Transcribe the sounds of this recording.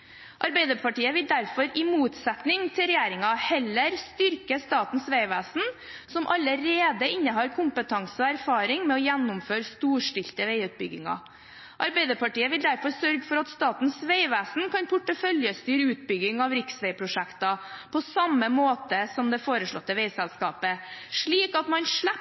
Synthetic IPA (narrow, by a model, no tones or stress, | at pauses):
ʔɑɾbɛɪd̪əɾpʰɑʈiːəʋɪld̪æɾfɔɾɪmuːt̪sɛt̪nɪŋt̪ʰɪlɾɛjæːɾɪŋɑhɛlːəɾst̪ʏɾkəst̪ɑːt̪n̩sʋeɪʋæːsn̩ | sɔmʔɑləɾeːd̪əɪnːəɦɑːɾkʰʊmpət̪ʰɑŋsəɔæɾfɑːɾɪŋmɛɔjænːʊmføːɾst̪uːʂʈɪlt̪əʋeɪʉːt̪̚bʏɡɪ̰ŋɑ̰ | ʔɑɾbæɪd̪əpɑʈiːəʋɪld̪æɾfɔɾsœɾɡəfɔɾɑt̪st̪ɑːt̪n̩sʋeɪʋæːsn̩kʰɑnpʰʊʈːəfœljəst̪yːɾəʉːt̪̚bʏɡɪŋɑʋɾɪksʋɛɪpʰɾʊʂækt̪ɑpʰɔsɑmːəmoːt̪əsɔmd̪ɛfoːɾəʂɭɔ̰t̪ːəʋeɪsɛlskɑːpəʂɭiːkɑt̪mɑnʂɭæ